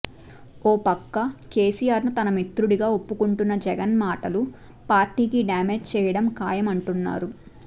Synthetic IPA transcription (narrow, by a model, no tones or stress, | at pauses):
ɔːpɐkːɐke̞ːsijaːɾnut̪ɐnɐmit̪ɾuɽiɡaːo̞pːukuɳʈunːɐd͡ʒɛɡɐnmaːʈɐlu | paːɾʈiːkiɖjaːmeːd͡ʒt͡ʃɛːjɐɽɐmkaːjɐmɐɳʈunːa̰ːɾu